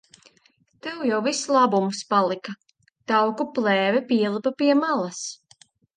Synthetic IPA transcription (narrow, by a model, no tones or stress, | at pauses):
t̪ɛwjawvislˠabumuspalˠika | t̪awkuplˠɛːvɛpʲiɛlˠipɐpiɛmalˠas